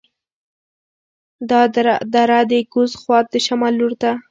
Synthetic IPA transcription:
d̪ɑd̪aɾad̪əɡʊzxwɑt̪̚d̪əʃamɑlːuɾd̪a

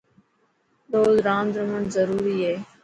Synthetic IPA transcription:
ɗ̪oːzɾaːnd̪ɾəməɳzəɾuːɾiːeː

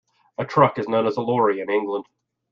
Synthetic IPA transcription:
ətʰɹ̥ʌkɨznõʊ̃nəzəlɔɹiɨ̃nɪ̃ŋɡlə̃nd̥

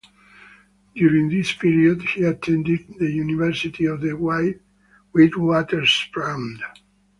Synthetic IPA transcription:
d̥̪juɾĩŋðispiɹiod̪hiat̪ʰɛ̃nd̪id̪̚ðəjunivɛɹsit̪ʰiɔvðəwajt | wid̪wɔt̪əɹspɹãw̃nd

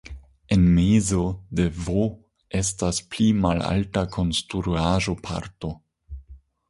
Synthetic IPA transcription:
enmezo̞de̞vo | e̞stasplimala̰ltakʰo̞nstɾɾuaʒo̞pʰa̰ɾto̞

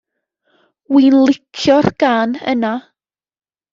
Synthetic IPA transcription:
winlˠɪkʰjɔrɡ̥aːnə̰na

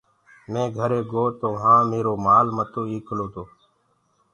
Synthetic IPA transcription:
mẽːɡʱəɾeːɡoːt̪oːɦãːmeːɾoːmaːlmət̪oːiːkʰəloːt̪oː

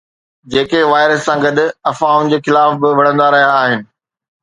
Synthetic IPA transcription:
d͡ʑeːkeʋaːɪɾəsːãɡɐd̪ʱʊ̆ɐfaːʊnd͡ʑeːxɪlaːfbɪʋɐɽ̤ə̃nd̪aɾɐɦijaːɦɪnɪ̆

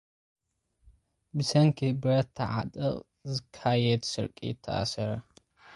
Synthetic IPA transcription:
bɨsɐŋkʰɨbɨɾɐt̪ʰːɐʕat̪ʼɨχʼ | zɨkʰːajɛd̪sɨɾkʼḭɪt̪ʰːɐ̰ʔa̰sɐɾɐ

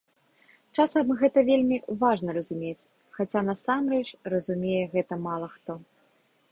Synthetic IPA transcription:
t͡ʂasɐmɣɛt̪ɐvʲelʲmʲivaʐnɐɾɐzumʲet͡sʲ | xat͡sʲan̪ɐsamrɛt͡ʂrɐzumʲejɛɣɛt̪ɐmalˠɐxt̪ɔ

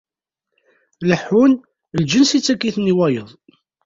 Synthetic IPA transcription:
ləħun | ld͡ʒənsit͡sːækːiθniwæjəðˤ

